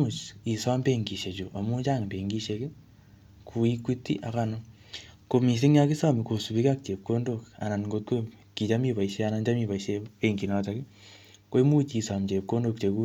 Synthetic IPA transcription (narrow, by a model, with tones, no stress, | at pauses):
u˨t͡ʃi˨sa˦mbe˦ŋɡi˨ʃe˨t͡ʃo˨ʔa˨mu˦t͡ʃa˦ŋmbe˨ŋɡi˦ʃe˧ke˦ | kʰu˨i˦ki˦tḭ˦ʔa˨ka˦no˦ | ko˨mi˨s̬e˦ŋ˦a˦ki˦sa˦mi˨ko˨su˨βi˦ka˦k̚t͡ʃe˨p̚ko˦ndo˨ka̰˨na˨n˨ŋɡo˦t̚ke˦ | ki˨t͡ʃa˦mi˦˨βa˨i˨ʃe˦a˦na˦ɲd͡ʒa˦mi˦˨βa˨iʃe˦e˦ŋɡi˨na˨ta˨ki˦ | kwe˦mu˦t͡ʃi˨sa˨mt͡ʃe˨p̚ko˦ndo˦˨kt͡ʃe˨ku˦